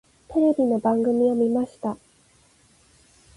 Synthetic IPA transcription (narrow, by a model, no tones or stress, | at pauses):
t̪e̞ɾe̞bʲino̞bãŋɡɯ̟mʲio̞mʲimaɕi̥t̪a